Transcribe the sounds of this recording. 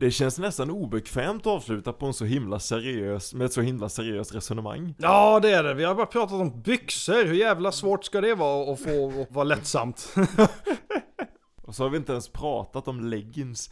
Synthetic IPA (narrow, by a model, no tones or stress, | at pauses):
d̪̥ɛɕɛnsnɛst̪anuːbɛkʰvɛːmt̪ɔɑːvslʉ̟ːt̪apʰɔɛnsɔɦɪmlasɛɾɪøːsmɛːɛt̪sɔhɪmlasɛɾɪøːst̪ɾɛsɔnəma̰ŋːjɑːd̪ɛæɖɛvɪhaɾbɑːɾapʰɾɑːt̪at̪ɔmbʏksəɾhɵɾjæːvlasvoːʈskad̪ɛvɑːɔfoːɔvɑːlɛt̪ːsa̰mt̪ | ʔɔsɔhaɾvɪɪnt̪əɛnspʰɾɑːt̪at̪ɔmlɛɡːəns